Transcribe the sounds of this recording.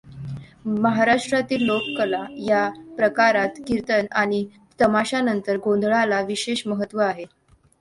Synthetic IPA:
məɦaɾaʂʈɾat̪iːlːokkəlajapɾəkaɾat̪kiɾt̪ənaɽ̃i | t̪əmaɕanənt̪əɾɡõnd̪ʱɭalaʋiɕeɕməɦət̪ʋəaɦe

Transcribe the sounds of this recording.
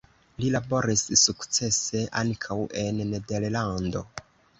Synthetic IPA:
lilabo̞ɾissukt͡se̞se̞ʔa̰ŋkʰawe̞nːe̞de̞llando̞̰

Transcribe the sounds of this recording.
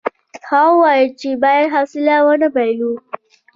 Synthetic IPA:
hawaːjɐt͡ʃeːbaːjɐnɦasɪlaːwanabaloː

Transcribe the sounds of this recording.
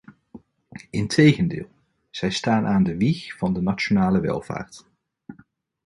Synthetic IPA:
ɪntʰejχəndɪ̰ːlˠ | z̥ɛjstaːnʔaːndəʋiχv̥ɑndənat͡ʃonaːləʋɛ̰lˠv̥a̰ːɹt

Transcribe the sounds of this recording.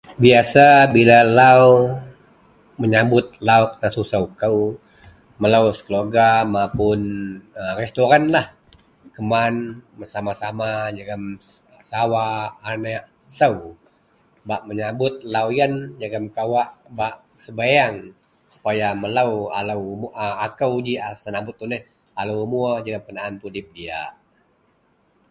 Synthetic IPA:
biasabilalaw | məɲabʊt̪̚lauk̚nasusəwkəw | məlawskəloɡamapʊnərest̪oɾanlah | kəmanəsamasamad͡ʒaɡam | sawaːnəʔ | səw | baʔməɲabʊt̪̚lawjand͡ʒəɡəmkawaʔbaʔ | səbajaŋ | su̥pajamələwa̰ləwmuʔəakəwd͡ʒiasənabʊt̪̚ːunəh | aləwmuəd͡ʒəɡəmkənaʔːnt̪udɪp̚dia̰

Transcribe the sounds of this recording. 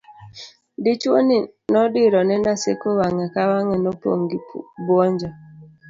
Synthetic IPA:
dit͡ʃwoni | nɔdiɾɔnɛnasḛkowaŋakawaŋɛnɔpo̰ŋɡibwɔɲd͡ʒɔ

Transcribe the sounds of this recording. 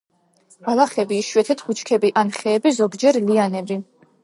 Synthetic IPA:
alaχɛbiːʃwɛt̪ʰɛt̪ʰχut͡ʃʰkʰɛbiʔanχɛːbizɔɡd͡ʒɛɾlianɛbɾi

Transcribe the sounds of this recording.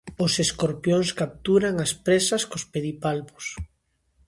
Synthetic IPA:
oseskoɾpjoŋskap̚t̪uɾaŋaspɾesaskospeðipalβo̥s

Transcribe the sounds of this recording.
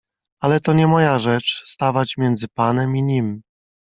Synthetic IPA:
alɛt̪ɔɲɛmɔjaʐɛt͡ʂst̪avat͡ɕmʲjɛnd̪zɘpanɛmiɲim

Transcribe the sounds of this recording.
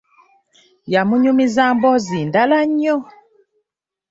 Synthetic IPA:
jamuɲumizambɔzindalaɲɔ

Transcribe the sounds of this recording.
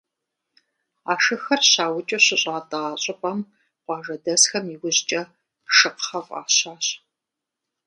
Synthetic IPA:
aːʂɨxɐrɕaːwʊt͡ʃʼɐɕɪɕʼaːtʼaaːɕʼɪpʼɐm | qʷɑːʐɐdɐsxɐmiwʊʑt͡ʃʼɐ | ʂɨqχɐfʼa̰ːɕaːɕ

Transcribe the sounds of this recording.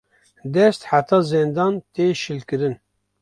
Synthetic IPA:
d̪ɛst̪ħat̪ʰɑːzend̪ɑːnt̪eʃɨlkɨɾɨn

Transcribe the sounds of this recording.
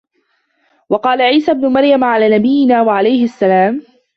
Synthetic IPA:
wɑqɑːlaʕiːsaːbnʊmaɾjamʕalaːnabɪjːɪnaːwaʕalajhɪʔasːalaːm

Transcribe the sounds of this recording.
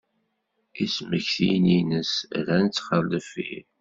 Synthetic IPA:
isməçθijninəsɾænət͡sːχəlːəfḭɾ

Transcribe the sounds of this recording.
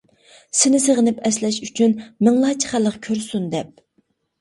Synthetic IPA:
sɪnɪsəʁənɪpɛslɛʃyt͡ʃʰynmɪŋlˠɑːt͡ʃʰi̥χælːəqkʲʰøɾsund̪ɛp̚

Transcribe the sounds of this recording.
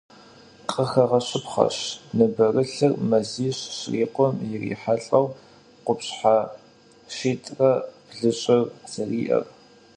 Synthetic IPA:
qʼəxɐʁɐɕɪpχɐ̰ɕnɨbɐrɨɬɨrmɐziːɕɕriːqʷɔmjɪrḭːħaɬʼɐw | qʷʊpɕħa | ʃiːtʼrɐb̥ɮɨɕʼɪrz̥ɐriːʔɐ̰r

